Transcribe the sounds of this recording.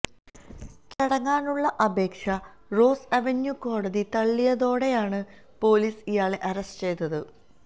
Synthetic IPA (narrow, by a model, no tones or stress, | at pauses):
t͡ɕɐɽɐŋːaːnuɭːɐʔɐbe̞ːkʂɐ | ro̞ːsɐʋenjuko̞ːɽɐðit̪ɐɭːijɐðo̞ːɽe̞jaːɳɨ | po̞ːliːsijaːɭe̞ʔɐɾɐstt͡ɕe̞jt̪ːɐðɨ